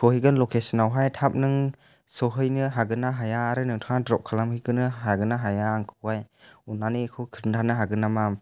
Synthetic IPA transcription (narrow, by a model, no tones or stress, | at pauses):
kʰɔhiɡɯnlɔkʰesɯnawɦajtʰap̚nɯŋ | sɔɦɯjnɯɦaɡɯnaɦajaːɾɯnɯŋtʰadɾɔp̚kʰːalamhiɡɯnɯɦaɡɯnaɦajaːŋkʰɯ̥wajunːanikʰɯkʰɯɾntʰanɯɦaɡɯnama